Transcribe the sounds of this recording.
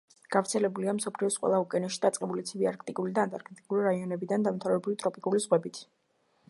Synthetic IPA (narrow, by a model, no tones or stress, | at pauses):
ɡ̥avɾt̪sʰɛlɛbuliamsɔpʰliɔsqʼwɛ̰lˠaukʼɛnɛʃi̥d̪at̪sʼqʼɛbulit̪sʰibiaɾk̚ʰt̪ʼikʼulid̪aːnt̪ʼaɾkʰt̪ʼikʼuliɾaiɔnɛbid̪and̪amt̪ʰavɛbɾulit̪ʼɾɔpʼikʼuliz̥ʁwɛbit̪ʰ